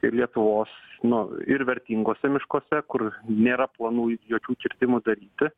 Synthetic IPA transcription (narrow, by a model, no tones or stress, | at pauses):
ɪlʲiɛt̪ʊʋoːsnʊɪɾʋʲɛɾʲt̪ʲiːŋɡoːsʲɛmʲɪʃkoːsʲɛkʊɾnʲeːɾɐplˠɐnuːjoːkʲuːkʲɪɾʲt̪ʲɪmʊd̪ɐɾʲiːt̪ʲɪ